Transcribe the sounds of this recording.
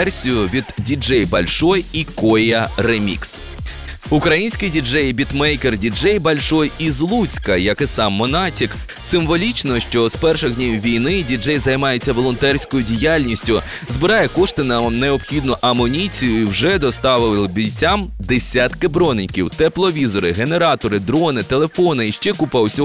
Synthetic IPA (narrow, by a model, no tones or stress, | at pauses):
ɛrsʲijʊʋʲid̪dʲid͡ʒɛjbɐlʲʃɔjikɔjjɐremʲḭks | ʊkɾɐjinʲsʲkɪjdʲid͡ʒɛjbʲit̪mɛjkerdʲid͡ʒɛjbɐlʲʃɔjizlˠut͡sʲkɐjɐkɪsɑmːɔnɑtʲik | sɪmʋɔlʲit͡ʃnɔʃt͡ʃɔz̥pɛrʃɪɣdʲnʲiwʋʲijnɪdʲid͡ʒɛjzɐjmɑjet͡sʲːɐʋɔlˠɔnt̪ɛrʲsʲkɔjʊdʲijalʲnʲisʲtʲʊ | zbɪɾɑjɛkɔʃt̪ɪnɐneɔpxʲid̪nʊʔɐmɔnʲit͡sʲijʊiwʒɛd̪ɔst̪ɑʋɪlɪlˠbʲijt͡sʲːamd̪esʲat̪kɪbɾɔnenʲkʲiwt̪ɛplˠɔʋʲizɔɾɪɦene̞ɾɑt̪ɔɾɪd̪ɾɔnɪt̪elˠefɔnɪiʃt͡ʃɛkupɑwsʲɔ